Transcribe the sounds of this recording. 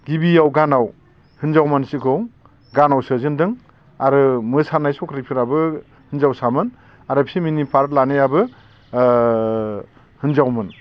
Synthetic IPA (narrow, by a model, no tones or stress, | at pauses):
ɡ̥ibijawɡanaw | hɯnzawmansikʰɯw | ɡanawsɯzɯndɯŋ | aɾɯmɯsanajsɔkʰɾipʰiɾabɯ | hɯnzawsamɯn | aɾɯpʰiminipʰaɾtlanejabɯ | hɯnzawmɯn